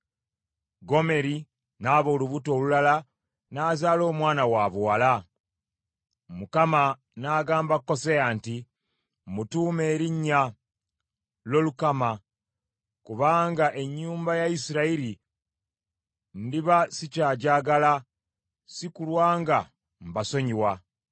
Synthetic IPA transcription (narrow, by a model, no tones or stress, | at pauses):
ɡo̞me̞ɾi | naːβo̞ːluβuto̞ːlulala | naːzaːlo̞ːmwaːnawaβwaːla | mukama | naːɡaːmbakːo̞seaːnti | mutuːme̞ːɾiɲːa | lo̞lukama | kuβaːŋɡaʔe̞ɲːuːmbajaisiɾaiɾi | ndiβasicaːɟaːɡala | sikulwaːŋɡa | mbaso̞ɲiwa